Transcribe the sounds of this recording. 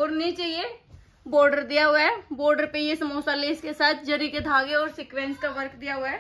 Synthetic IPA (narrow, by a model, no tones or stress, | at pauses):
ɔːɾnĩt͡ʃaːɦie | bɔːɾɖəɾd̪ijaɦʊaɛboːɾɖəɾpejesɐmoːsaːleːskesaːt̪ʰd͡ʒəɾiked̪ʱaːɡeɔːɾsɪkʋẽːnskaʋəɾkd̪ijaɦʊaɛː